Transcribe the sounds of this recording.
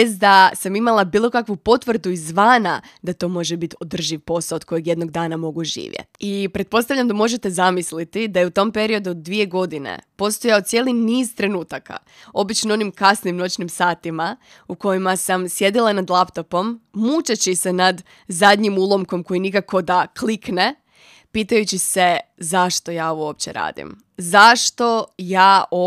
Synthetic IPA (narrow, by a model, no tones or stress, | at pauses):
esd̪asamimalˠabiːlˠo̞kakʋupo̞t̪ʋr̩d̪uizʋaːnad̪at̪o̞ːmo̞ʒebit̪o̞d̪r̩ʒiʋpo̞saod̪̥̚ko̞jeɡje̞d̪no̞ɡd̪aːnamo̞ɡuʒḭːʋjḛt̪ipɾe̞t̪̚po̞st̪aʋʎʲamd̪amo̞ʒe̞t̪e̞zamislit̪id̪ajeut̪o̞mpe̞ɾio̞d̪uod̪d̪ːʋie̞ɡo̞d̪inḛpo̞st̪o̞jaod̪t̪sje̞liniːzt̪ɾe̞nuːt̪aka̰ | o̞bit͡ʃnoo̞nimkasnimno̞t͡ɕnimsaːt̪ima | uko̞jimasamsje̞d̪ilˠanad̪lˠapt̪o̞po̞mːuːt͡ʃet͡ɕisenad̪ | zad̪ʲɲimuːlˠo̞mko̞mko̞jinikako̞d̪aklikne̞ | piːt̪ajut͡ɕise̞zaʃt̪o̞jaːooopt͡ɕe̞̰ɾa̰ːd̪ḭm | zaʃt̪o̞jaːo